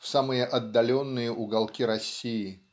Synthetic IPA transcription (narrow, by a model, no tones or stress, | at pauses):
fsamɨjəʔɐd̪ːɐlʲo̞nːɨjəʔʊɡɐlˠkʲiɾɐsʲːiɪ